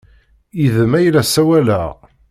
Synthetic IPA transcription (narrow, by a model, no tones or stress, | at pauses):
iðəmæjlæsæwælæ̰